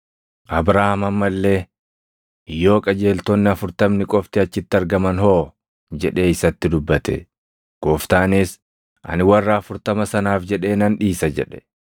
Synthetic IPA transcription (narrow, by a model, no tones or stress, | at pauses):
ʔɐbɾaːhɐmɐmːɐlːe̞ː | jːo̞ːkʼɐd͡ʒe̞ːlt̪ɔnːɪɐfʊɾt̪ɐmnɪkʼɔft̪ɪɐt͡ʃːɪt̪ːɪɐɾɡɐmɐnɦoː | d͡ʒɛᶑe̞ːɪsɐt̪ːɪd̪ʊbːɐt̪ɛ̰ | ɡ̥oːft̪aːnɪs | ʔɐ̰nɪwɐrːɐːfʊɾt̪ɐmɐsɐnaːfd͡ʒɛᶑe̞ːnɐnᶑiːsɐd͡ʒɛ̰ᶑɛ̥